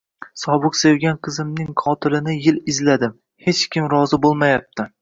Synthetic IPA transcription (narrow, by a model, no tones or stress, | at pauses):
sɒbɨqsewɡʲanqʰɨzɪmnɪŋqʰɒt̪ʰɪlɪnɪjɪlɪzlad̪ɪm | he̞t͡ʃkʲɪmɾɒzɪbolˠmajap̚t̪ʰɪ